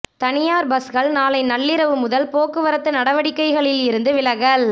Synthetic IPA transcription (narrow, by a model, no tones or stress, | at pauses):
t̪ɐnɪjaːɾbɐsɣɐɭnaːlɐɪnɐɭːɪɾɐʋɯmʊðɐlpoːkːɯʋɐɾɐt̪ːɐnɐɽɐʋɐɽɪkːɐɪɣɐɭɪlɪɾɯnd̪ɯʋɪlɐɣɐl